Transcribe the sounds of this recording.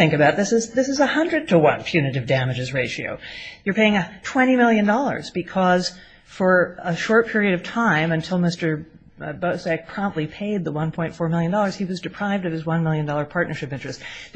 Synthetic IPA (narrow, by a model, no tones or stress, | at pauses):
θɪ̃ŋkɨbaʊt̪̚ðɪsɨzðɪsɨzəhʌ̃ndɹɨd̚tʰəwʌ̰̃npʰj̥ʉnɨɾɨvdæmɨd͡ʒɨzɹeɪʃio̰ʊjə˞pʰeɪɪ̃ŋɨtʰw̥ɛ̃ɾ̃imɪlˠjɨ̃ndɔlˠə̰˞zbɨkʰʌz̥ | fə˞əʃɔɹt̚pʰɪɹiɨɾʌv̥tʰãɪ̃mɨ̃ntʰɪlˠmɪstə˞ | boʊsɛk̚pʰɹ̥ɑ̃mp̚tˡlipʰeɪd̪̚ðəwʌ̃npʰɔ̃ɪ̃ntfɔɹmɪlˠjɨ̃ndɔlˠə˞z̥iwʌzdɨpʰɹ̥aɪvdʌv̥ɨzwʌ̃nmɪlˠjɨ̃ndɔlˠə˞pʰɑɹtⁿnə˞ʃɨpɪ̃nt͡ʃɹ̥ɨst